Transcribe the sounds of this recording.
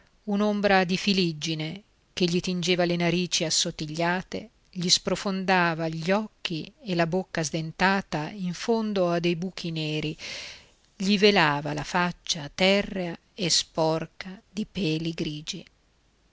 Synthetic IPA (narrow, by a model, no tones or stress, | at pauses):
unombɾad̪ifilid͡ʒːine | k̟eʎːit̪ind͡ʒeːvalenaɾiːt͡ʃiasːot̪ːiʎːaːt̪ḛ | ʎispɾofond̪aːvaʎɔkːielabokːazd̪ent̪aːt̪aiɱfond̪oad̪ːejbuːkʰineːɾi | ʎivelaːvalafat͡ʃːat̪ːɛrːea | espɔrkad̪ipɛːliɡɾiːd͡ʒi